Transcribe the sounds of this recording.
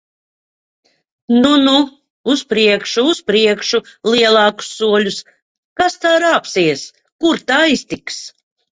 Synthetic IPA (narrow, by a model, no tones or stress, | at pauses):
nunu | uspɾiɛkʃuuspɾiɛkʃulˠiɛlˠɑːku̥sːuɔlʲus | kast̪aːɾaːpsiɛs | kuɾt̪aːist̪iks